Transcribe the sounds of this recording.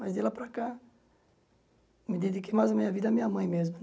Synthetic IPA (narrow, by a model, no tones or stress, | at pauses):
mazd̪elapɾaka | mid̪id̪ikɪmajzɐmeɲɐvid̪ɐamiɲamɐ̃j̃mezmɐ